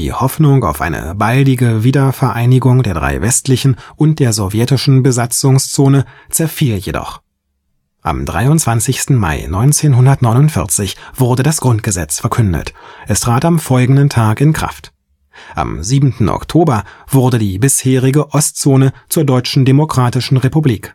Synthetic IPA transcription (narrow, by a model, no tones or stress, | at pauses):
dḭːhɔfnʊŋa̰ʊfʔa̰ɪnə̰baldɪɡəviːdɐfɛɐʔaɪnɪɡʊŋdeːɐdʁa̰ɪvɛstlɪçn̩ʔʊnt̚d̥eːɐzɔvjɛtɪʃn̩bəzat͡sʊŋst͡soːnət͡sɛɐfiːljedɔ̰χ | ʔa̰mdʁa̰ɪʊntt͡sv̥ant͡sɪçstn̩ma̰ɪnɔʏnt͡seːnɦʊndɐtnɔʏnʊntfɪ̰ɐt͡sɪçv̥ʊɐdədasɡ̥ʁʊnt̚ɡ̥əzɛ̰t͡sfɛɐkʰʏndə̰tʔɛstʁ̥aːtamfɔlɡŋ̩dən̩tʰaːkɪnkʁ̥a̰ft | ʔa̰mziːbmn̩tn̩ʔɔ̰ktʰoːbɐv̥ʊɐdədiːbɪsheːʁ̞ɪɡəʔɔst͡soːnət͡suːɐdɔʏt͡ʃn̩demokʁ̥aːtɪʃn̩ʁepubliːk